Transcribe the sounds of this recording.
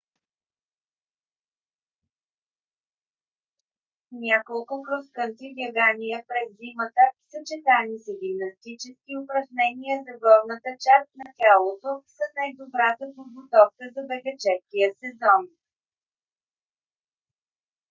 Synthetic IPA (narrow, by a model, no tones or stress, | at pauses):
nʲakolˠkʊkɾoskənt̪iɡʲɛɡanijəpɾɛzːimət̪əsət͡ʃɛt̪anisəɡʲimnɐst̪it͡ʃɛskʲiʊpɾɐʒnɛniəzɐɡɔɾnət̪ət͡ʃast̪̚nɐkʲɛlˠot̪osɐnajd̪obɾat̪əpod̪ɡot̪ɔfkəzɐbɛɡət͡ʃɛskijəsɛzɔn